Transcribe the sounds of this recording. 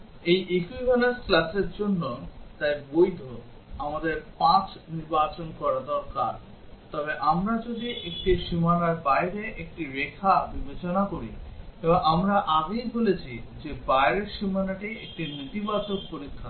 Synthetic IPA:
ejʔikuibʱanasklaseɾd͡ʑonːot̪ajbojd̪ʱo | amad̪eɾpãt͡ɕniɾbat͡ɕonkɔɾad̪ɔɾkaɾ | t̪ɔbeʔamɾad͡ʑod̪iʔek̚ʈiʃimanaɾbajɾeʔek̚ʈiɾekʰabibet͡ɕonakoɾḭebaʔamɾaʔaɡejbolet͡ɕʰid͡ʑebaeɾeɾʃimanaʈiek̚ʈinɾit̪ibat͡ɕok̚poɾikʰːa̰

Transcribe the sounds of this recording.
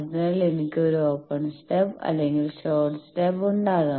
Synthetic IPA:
t̪ːɐːilenikʲːɨo̞ɾuoːpːɐɳsʈepɐ̰lːeŋɡilɕoːʈsʈepːuɳɖaːɣɐ

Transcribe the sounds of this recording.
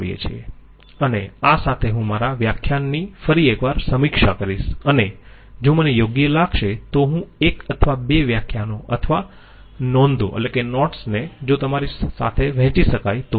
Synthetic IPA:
jḛt͡ʃʰḛ | əneasat̪ʰeɦũmaɾaʋjakʰjanːifəɾiekʋaɾsəmikʃakəɾiʃəne | d͡ʒomənejoɡjəlaɡʃet̪oɦũekət̪ʰəʋabeʋjakʰjanoʔət̪ʰəʋa | nɔ̃nd̪ʱo̰ʔḛlekenɔʈsned͡ʒot̪əmaɾisa̰t̪ʰeʋɛ̃t͡ʃiʃəkajt̪o

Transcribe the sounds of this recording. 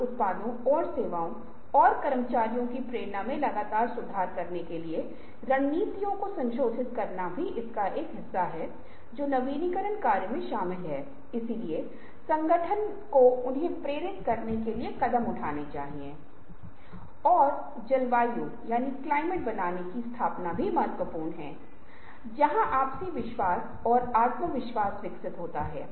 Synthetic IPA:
ʊt̪̚paːd̪õɔːɾseːʋaːõ | ɔːɾkɐɾəmt͡ʃaːɾijõkipɾeːɾnamẽlɐɡaːt̪aːɾsʊd̪ʱaːɾkɐɾnekelie | ɾɐ̃nniːt̪ijõkosɐ̃nʃoːd̪ʱɪt̪kɐɾnabʱiʔɪskaʔeːkɦɪsːaɦɛ | d͡ʒoːnɐʋiːnikəɾəɳkaːɾjəmẽʃaːmɪlɦɛː | ɪsilie | sɐ̃ŋɡəʈʰən | koʊnɦẽpɾeːɾɪt̪kɐɾnekeliekɐd̪əmʊʈʰaːnet͡ʃa̰ːɦiḛ̃ː | ɔːɾ | d͡ʒɐlʋaːjõ | jaːniklaːɪməʈ̚bɐnaːnekist̪ʰaːpnabʱimɐɦət̪wəpuːɾnɦɛ̰̃ː | d͡ʒɐɦãʔaːpseʋɪʃwaːs | ɔːɾaːɾt̪məʋɪʃwaːsʋɪksɪt̪ɦoːt̪aɦɛ̰ː

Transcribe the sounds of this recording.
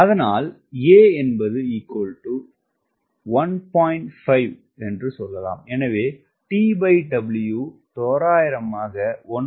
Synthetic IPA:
ɐðɐnaːl | eːɛnbɐðɯikːɔlʈu | ʋɐnpaːjɪɳʈfɐɪʋ | ɛndrɯsɔlːɐla̰ːmɛnɐʋeː | ʈiːbɐɪɖɐbɪljuːt̪ɔːɾaːjɪɾɐmaːɣɐɔn

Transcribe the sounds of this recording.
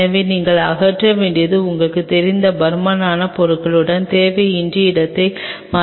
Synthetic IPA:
ɐʋeːniːŋɡɐɭɐ̰ɣɐʈrɐʋeːɳɖɪjɐðɯʊŋɡɐɭɯkːɯt̪ːɛɾɪnd̪ɐbɐɾɯmaːnaːnɐpɔɾɯkːɐɭɯɽɐnt̪eːʋɐɪɪɳdriɪɽɐt̪ːɐɪmaː

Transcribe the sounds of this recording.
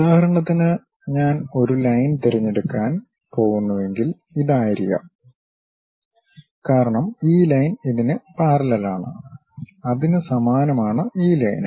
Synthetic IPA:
uuðaːhɐɾɐɳɐt̪ːinɨ | ɲaːno̞ɾulɐjnt̪iɾɐɲːeɽukːaːn | po̞ːɣunːue̞ŋɡil | iðaːjɐɾijɐ̰ | kaːɾɐɳɐmiːlɐjniðinɨpaːrɐlɐlaːɳɨ̰ | ɐðinɨsɐmaːnɐmaːɳɨiːlɐjn̰

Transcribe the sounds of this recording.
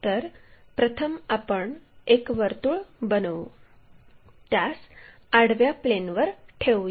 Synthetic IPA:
t̪əɾpɾət̪ʰəmapəɳekʋəɾt̪uɭbənəʋ | t̪jasaɽʋjaplenʋəɾʈʰeʋ

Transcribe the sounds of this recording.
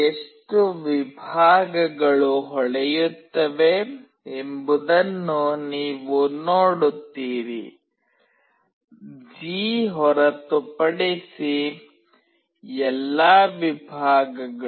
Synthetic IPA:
esʈuʋibʱaːɡɐɡɐɭuɦɔɭɛjut̪ːɐʋe̞ | embud̪ɐnːuniːʋunoːɽut̪ːiːɾḭ | d͡ʒiːɦɔɾɐt̪upɐɽisi | ɛlːaːʋibʱaːɡɐɡɐ

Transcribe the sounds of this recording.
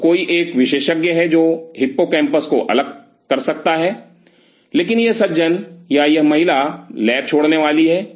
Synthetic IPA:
koːiʔeːkʋɪʃeːʃəɡjəɦɛd͡ʒoːɦɪpːokɛ̃ːmpəskoʔɐ̰ləɡ̚ | kɐɾsɐk̚t̪aɦɛː | leːkɪnjesɐd͡ʒənjajɐɦmɐɦɪlalɛːp̚t͡ʃʰoːɽneʋaːliɦɛː

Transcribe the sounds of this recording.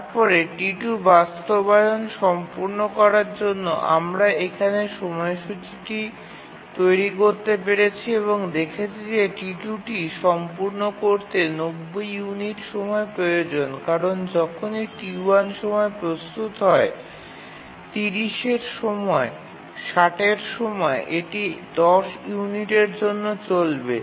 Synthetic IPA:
t̪aɾpɔɾeʈiʈubast̪obajonʃɔmpuɾnokɔɾaɾd͡ʑonːo̰ʔa̰mɾaekʰaneʃɔmɔeʃut͡ɕiʈi | t̪ojɾikoɾt̪epeɾet͡ɕʰieβoŋd̪ekʰet͡ɕʰid͡ʑeʈiʈuʈiʃɔmpuɾnokoɾt̪enobːojuniʈʃɔmɔepɾojod͡ʑonkaɾond͡ʑɔkʰoniʈiuanʃɔmɔepɾost̪ut̪ɦɔe | t̪iɾiʃeɾʃɔmɔe | ʃaʈeɾʃɔmɔeʔeʈid̪ɔʃjuniʈeɾd͡ʑonːot͡ɕolbe

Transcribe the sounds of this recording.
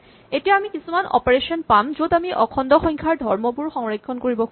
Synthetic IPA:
etijaamikisumanʔɔ̰peɹesɔnpamzodamiʔɔkʰɔndɔxɔŋkʰaɹdʱɔɹmɔbuɹxɔŋɹɔkʰːɔnkoɹibɔ

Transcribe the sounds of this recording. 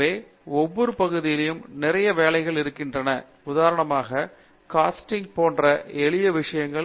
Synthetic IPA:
eː | ɔʋːɔɾɯpɐɣɯðɪjɪlɐjɯmnɪɾɐjɐʋeːlɐɪɣɐɭɪɾɯkːɪndrɐnɐ | ʊðaːɾɐɳɐmaːɣɐ | kaːsʈɪŋɡ̚poːndrɐɛɭɪjɐʋɪʂɐjɐŋɡɐɭ

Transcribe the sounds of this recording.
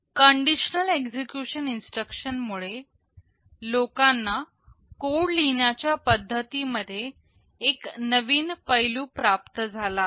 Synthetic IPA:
kəɳɖiɕnəlekd͡zekjuɕəninsʈɾəkʂənmuɭe | lokanːa | koɽlinat͡ɕjapəd̪ʱːət̪iməd̪ʱːjeː | knəʋiːnpəjluːpɾap̚t̪d͡zʱala

